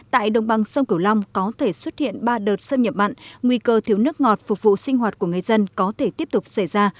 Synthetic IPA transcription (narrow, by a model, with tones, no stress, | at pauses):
t̪a̰ː˧˨jɗə̰˧˨wŋ͡mɓa˨˩ŋsə˧wŋ͡mki˧˩əwla˧wŋ͡mkɔ˨˦t̪ʰe˧˩swə˦˥t̚hḭ˧˨ənɓaː˧ɗəː˨˩t̚sə˧wŋ͡mɲə˨˩p̚ma̰˧˨nŋwi˧kəː˧t̪ʰi˨˦wnɨ˦˥ək̚ŋɔ˨˩t̚fʊ˨˩k̚vṵ˧˨sï˧ŋ̟ɦwaː˨˩t̚ku˧˩əŋɨ˨˩əjzə˧nkɔ˨˦t̪ʰe˧˩t̪i˦˥əp̚t̪ʊ˨˩k͡p̚sa˧˩jzaː˧